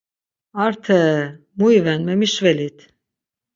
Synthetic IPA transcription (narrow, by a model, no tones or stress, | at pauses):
aɾt̪ʰɛ | mujvɛnmɛmiʃvɛlit̪